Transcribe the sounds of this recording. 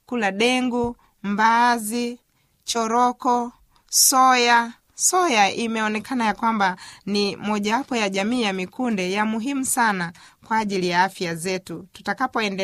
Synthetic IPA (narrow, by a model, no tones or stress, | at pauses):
kulaɗɛŋɡu | mbazi | t͡ʃɔɾɔkɔ | sɔja | sɔjaʔimɛɔnɛkʰanajakwambanimɔʄaapɔjaʄamiːjamikundɛjamuɦimusana | kwaːʄilijaafjazɛtutu̥takapɔɛndɛ